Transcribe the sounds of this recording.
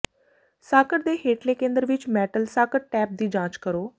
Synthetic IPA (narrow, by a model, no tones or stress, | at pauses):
saːkəʈd̪eːɦeːʈleːkẽːnd̪əɾʋɪt͡ʃmɛːʈəlsaːkəʈ̚ʈɛːp̚d̪iːd͡ʒãːt͡ʃkəɾoː